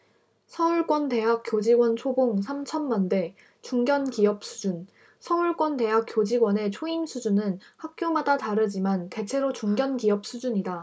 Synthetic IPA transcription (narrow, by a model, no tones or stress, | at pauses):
sʰʌuɭk͈wʌnte̞ɦak͈̚jod͡ʑiɡwʌnt͡ɕʰoboŋsʰamt͡ɕʰʌnːande̞ | t͡ɕuŋɡjʌnkiʌp̚s͈ʰud͡ʑun | sʰʌuɭk͈wʌnte̞ɦak͈jod͡ʑiɡwʌne̞t͡ɕʰoimsʰud͡ʑunɯnhak̚k͈jomadataɾɯd͡ʑimante̞t͡ɕʰe̞ɾot͡ɕuŋɡjʌnkiʌp̚s͈ʰud͡ʑuɲida